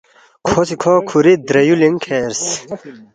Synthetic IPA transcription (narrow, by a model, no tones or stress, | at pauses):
kʰosikʰɔːkʰuɾid̪ɾɐjuliŋkʰeɾs